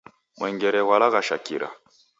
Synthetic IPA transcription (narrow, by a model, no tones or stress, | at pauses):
mɛŋɡɛɾɛwalaɣaʃakḭɾa̰